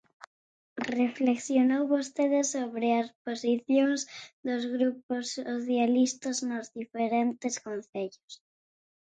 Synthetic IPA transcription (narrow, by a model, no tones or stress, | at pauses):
refleksjonowβost̪eðesoβɾɪasposiθjoŋzd̪ozɣɾuposoθjalist̪aznozðifeɾent̪eskonθeʎos